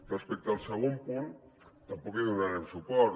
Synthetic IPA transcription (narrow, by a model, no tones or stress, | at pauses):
respek̚t̪alˠseɣ̞ompun | t̪ampɔkiðunaɾemsupɔɾ